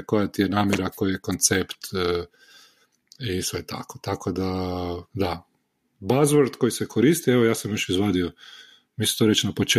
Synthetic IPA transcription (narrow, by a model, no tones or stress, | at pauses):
ko̞jat̪ijenaːmjeɾako̞jjekont̪sept̪ː | isʋet̪a̰ko̥t̪akod̪ad̪a | bazʋoɾd̪kojisekʰoɾist̪ieʋo̞jaːsamjoʃizʋaːd̪io | misi̥t̪oɾet͡ʃnapo̞t͡ʃe